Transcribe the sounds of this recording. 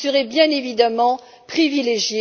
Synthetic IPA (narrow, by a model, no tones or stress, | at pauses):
səʁɛbjɛ̃nevid̪amɑ̃ | pχivileʒje